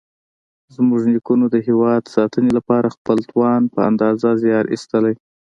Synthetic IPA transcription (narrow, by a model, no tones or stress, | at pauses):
zmuʒnikunod̪əɦewɑd̪sɑt̪ənelapɑɾaxpəlt̪wɑnpəa̰nd̪ɑzazjɑɾʔḭst̪əlaj